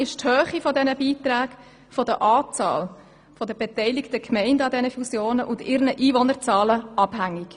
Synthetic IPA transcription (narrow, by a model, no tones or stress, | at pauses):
ɪʃthøːχifɔdɛnəbiːtræːk | fɔdəʔɑːt͡sɑ̰ːl | fɔdəbetɛɪlɪktəkʰmɛɪndəɑdɛnəfusjoːnəʔʊndɪɾnəʔiːvɔnəɾt͡sɑːləʔɑb̥hæŋːɪk